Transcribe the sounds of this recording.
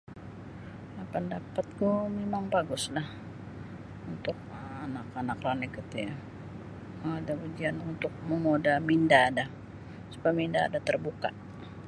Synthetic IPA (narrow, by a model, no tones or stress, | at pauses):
apəndapat̪̚ɡumemaŋbaɡʊslah | unt̪ʊk̚aanakanakranɛkət̪uja | adabud͡ʒianunt̪ʊk̚məmodamindaːda | supaminda̰ːdat̪ərbuka̰ʔ